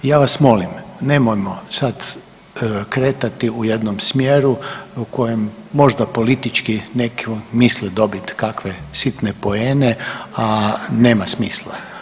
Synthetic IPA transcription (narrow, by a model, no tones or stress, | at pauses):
jaːʋasmo̞limne̞mojmosad̪ | kɾeːt̪at̪iuje̞d̪nomsmjeːɾuko̞jemːo̞ʒd̪apo̞lit̪it͡ʃkinekumislɛd̪o̞bit̪kakʋesit̪nepo̞eːneane̞ːmasmiːslˠa̰